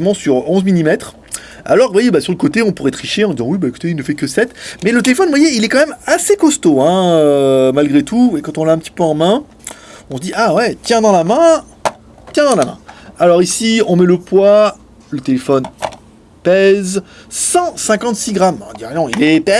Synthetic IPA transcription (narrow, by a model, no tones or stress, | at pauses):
mɑ̃syʁɔ̃zmilimɛt̪χ | a̰lɔʁvwajebasyʁləkot̪eɔ̃puʁɛt̪χiʃeɑ̃d̪izɑ̃wibaeku̥t̪eilnəfɛkəsɛt̪mɛlət̪elefɔnvwajeilɛkɑ̃mɛmasekɔst̪oɛ̃ømalɡʁet̪ʰuekɑ̃t̪ɔ̃laɛ̃pət̪i̥pøɑ̃mɛ̃ | ɔ̃səd̪iʔawɛt̪jɛ̃d̪ɑ̃lamɛ̃ | t̪jɛ̃d̪ɑ̃lamɛ̰̃alɔʁisiɔ̃mɛləpwa | lət̪elefɔn | pɛzsɑ̃sɛ̃kɑ̃t̪siɡʁamɛ̃d̪iʁjɛ̃ilɛpɛ